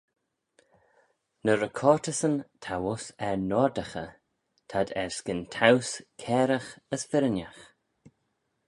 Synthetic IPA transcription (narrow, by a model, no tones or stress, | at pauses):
nəɾəkʰɔːɹtəsənt̪ʰawʊsɛɹnɔdəxə | tʰad̪ɛɹskɪntʰawskʰɛːɾəxəsfɪɾənax